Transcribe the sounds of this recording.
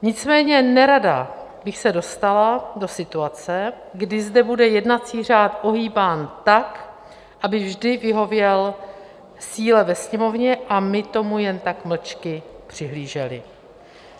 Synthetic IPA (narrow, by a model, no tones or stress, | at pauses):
ɲɪt͡smɛːɲɛnɛɾada | bɪxsɛdo̞st̪alado̞sɪt̪uat͡sɛ | ɡdɪzdɛbudɛjɛdnat͡siːr̝aːt̪ʔo̞ɦiːbaːnt̪ak | ʔabɪvʒdɪvɪɦo̞vjɛl | siːlɛvɛsɲɛmo̞vɲɛʔamɪt̪o̞mujɛnt̪akml̩t͡ʃkɪ | pr̝̥ɪɦliːʒɛlɪ̰